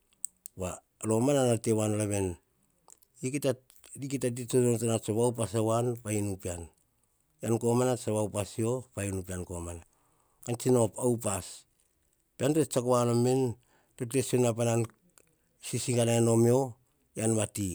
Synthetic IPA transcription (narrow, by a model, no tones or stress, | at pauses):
wa | lomananatewanolaβe̞n | ikita | dikitat̬it͡ʃonont͡ʃanat͡ʃaβawpasawanpainupian | janko̞manat͡ʃawawpasio̞pajinupiankomana | kant͡ʃinopawpas | piantot͡ʃakoanomen | totesonapanan | sisikanaano̞mio̞ | janβati